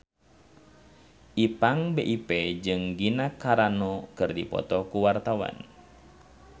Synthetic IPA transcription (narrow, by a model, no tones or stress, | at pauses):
ʔipaŋbeʔiped͡ʒɨŋɡinakaɾanɔkɨrdipɔ̰t̪ɔkuwart̪awa̰n